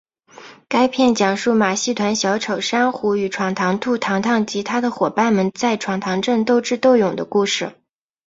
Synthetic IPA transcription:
ka˥ɪpʰjɛ˥˩nt͡ɕjɑ˨˩ŋʂu˥˩ma˨˩ɕi˥˩t̪ʰwa˧˥nɕjɑ˧˥ʊʈ͡ʂʰo˨˩ʊʂa˥nxu˧˥y˨˩ʈ͡ʂʰwɑ˨˩ŋt̪ʰɑ˧˥ŋt̪ʰu˥˩t̪ʰɑ˧˥ŋt̪ʰɑ˥˩ŋt͡ɕi˧˥t̪ʰa˥d̪ə˨xwɔ˨˩pa˥˩nmə˧nt͡sa˥˩ɪʈ͡ʂʰwɑ˨˩ŋt̪ʰɑ˧˥ŋʈ͡ʂɤ˥˧ŋt̪o˥˧ʊʈ͡ʂɻ̩˥˧t̪o˥˩ʊjʊ˨˩ŋd̪ə̰˦ku˥˧ʂɻ̩˥˩

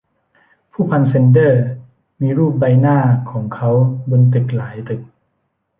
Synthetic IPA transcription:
pʰuː˥˩pʰa˧nse˧ndɤː˥˩ | miː˧ɾuː˥˩p̚ba˧jnaː˥˩kʰɔː˩˦ŋkʰa˦˥wbo˧nt̪̬ɯ˨˩k̚laː˩˦jt̪ɯ˨˩k̚

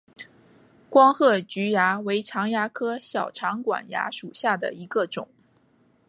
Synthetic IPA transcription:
kwɑ˥ŋxɤ˥˩t͡ɕy˧˥ja˧˥we˧˥ɪʈ͡ʂʰɑ˧˥ŋja˧˥kʰɤ˥ɕjɑ˨˩ʊʈ͡ʂʰɑ˧˥ŋkwa̰˨˩nja̰˧˥ʂu˨˩ɕja˥˩d̪ə̰˩i˧˥ɡə˧ʈ͡ʂʊ̰˨˩˦ŋ

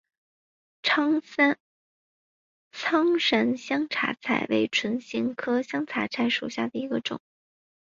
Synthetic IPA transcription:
ʈ͡ʂʰɑ˥ŋsa˥n | t͡sʰɑ˥ŋʂə˧˥nɕjɑ˥ŋʈ͡ʂʰa̰˧˥t͡sʰa̰˨˩ɪwe˧˥ɪʈ͡ʂʰwə˧˥nɕi˧˥ŋkʰɤ˥ɕjɑ˥ŋt͡sʰa˧˥t͡sʰa˧˥ɪʂu˨˩ɕja̰˥˩d̪ə˩i˧˥ɡə˧ʈ͡ʂʊ̰˨˩˦ŋ

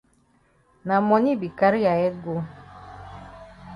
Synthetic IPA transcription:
na˨mɔ˨ɲi˦bi˨ka˦ɾi˦ja˨ɛ˦ɡo˦

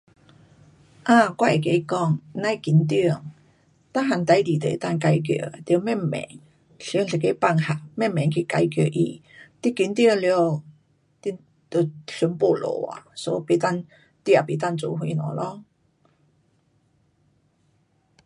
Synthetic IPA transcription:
ʔa˧kwa˥˧e˨˩ke˧˦˧kɔ˥˩ŋnã˥˧jki˨˥˦nt̪i˥˧ə˨ŋ | t̪a˥ɦa˨˩ŋt̪a˨˧˥jdi˨˩t̪ḛ˨˦t̪a˥˨nka˧jkjo̰˨˧˩t̪jə˧˦mɛ˥˧˨mmɛ̰˨˦ŋ | ɬŋɬi˨˩ke˧˦pa˥˧ŋha˨˩mɛ˥˨mmɛ˨˩ŋkʰi˧ka˧jkjo˨˩ʔi˧ | t̪i˦˧kːi˨˦nt̪ji˥˧˨ŋljo˧˩ | t̪i˧ | t̪o˧˨˩ɕu˨˧˦npo˧˩lo̰˨˩wa̰˨˩so˧˦pe˨˧˩t̪a˥˨n | t̪i˧a˨˩pi˨˧˦t̪̬a˥˧nt͡su˧˩ɦwi˧nɔ̰˨˩lɔ˧˦

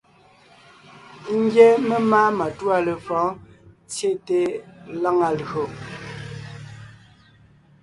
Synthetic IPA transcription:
ŋ̩˦ɡjɛ˦me˦ma˦ma˨twa˦˨le˨fɔ̃˨˦ | t͡sje˦te˦la˦ŋa˨lɣo˨

